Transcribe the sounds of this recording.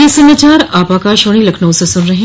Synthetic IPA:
isɐmat͡ʃaːɾaːpakaʃoɽ̃ilɐkʰnõsẽsʊnɾɐɦẽ

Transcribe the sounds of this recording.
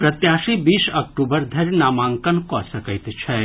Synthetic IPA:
pɾɐt̪jaːʃibiːʃɐk̚ʈuːbəɾd̪ʱɐɾnaːmaːŋkɐnkɔsɐkəjt̪t͡ʃʰɛ

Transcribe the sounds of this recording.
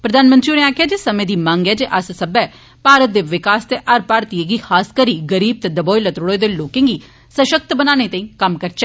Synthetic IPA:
pɾəd̪aːnmənt̪ɾiʊnẽaːkʰjaːd͡ʒeːsəmẽːd̪iːmãːŋɡɛːd͡ʒeːʔɐssəbɛː | paːɾət̪̚d̪eːʋɪkaːst̪eːʔɐɾpaːɾt̪ieɡiːxʰaːskəɾiːɡəɾiːb̚t̪ɛd̪əbɔːilət̪ɾoɽod̪eːloːkɪ̃ːŋɡiː | səʃək̚t̪bənaːñet̪ɐ̃ĩːkəmkəɾt͡ʃɛː

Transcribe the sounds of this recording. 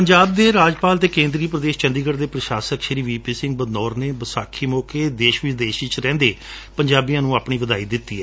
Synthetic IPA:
pəɲd͡ʒaːb̚d̪eːɾaːd͡ʒpaːlt̪eːkẽːnd̪ɾiːpɾəd̪eːʃt͡ʃənd̪iːɡəɾd̪eːpɾəʃaːsəkʃəɾiːʋiːpiːsɪ̃ŋɡ̚bəd̪nɔːɾneːbəsaːkʰiːmɔːkeːd̪eːʃʋɪd̪eːʃiːt͡ʃɾɛ̃ːnd̪eː | pəɲd͡ʒaːbijãːnũːaːpɳ̃iːʋəd̪aːiːd̪ɪt̪ːḭːɛː

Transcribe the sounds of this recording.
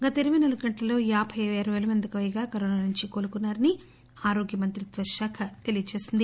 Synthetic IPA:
ɡɐt̪ɐeɾiminɐluɡɐɳʈlɐlo̞ːjaːbʱɐjʋeːɾɐʋeːlɐmɐnd̪ɐkɐʋɐjɐɡaːkɐɾoːnaːnuɲt͡ʃikoːlukunːaːɾɐni | aːɾo̞ːɡjɐmɐnt̪ɾit̪ʋɐʃjaːkʰɐt̪e̞lijɐt͡ʃeːsind̪i

